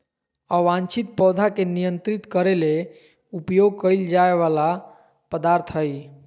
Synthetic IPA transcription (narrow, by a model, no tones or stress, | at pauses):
əʋãnt͡ʃit̪̚pɔd̪ʱakenijənt̪ɾit̪kəɾele | upjoɡ̚kəjld͡ʒaeβala | pəd̪aɾt̪ʰəj